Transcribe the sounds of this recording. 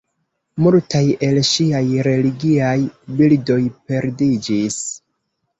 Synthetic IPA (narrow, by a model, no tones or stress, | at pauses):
multaje̞lʃiajɾe̞liɡiajbildo̞jpe̞ɾdid͡ʒis